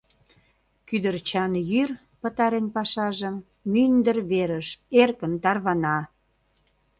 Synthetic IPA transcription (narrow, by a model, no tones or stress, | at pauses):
kyd̪ərt͡ɕɑnjyr | pə̆t̪ɑɾenpɑʃɑʒəmː | ynd̪ərβeɾəʃerkənt̪ɑrβɑnɑ